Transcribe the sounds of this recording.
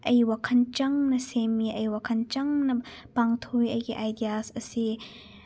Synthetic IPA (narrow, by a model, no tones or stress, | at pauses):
ʔɐjwakʰɐnt͡ʃɐŋnɐsemiʔɐjwakʰɐnt͡ʃɐŋnɐpaŋt̪ʰojɐjɡiʔajdijasɐsi